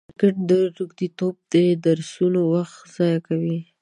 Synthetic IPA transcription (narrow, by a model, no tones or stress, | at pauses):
kəʈ̚d̪əʈuɡd̪it̪ob̚d̪əd̪aɾsunowaxt̪z̥ɑjakawi